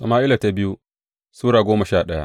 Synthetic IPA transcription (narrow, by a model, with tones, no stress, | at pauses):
sɐ˨maː˦ʔɪ˦la˨ta˨bɪ˦ju˦ | suː˦ɽaː˨ɡʷoː˦mɐ˨ʃaː˦˨ɗɐ˦ja̰˦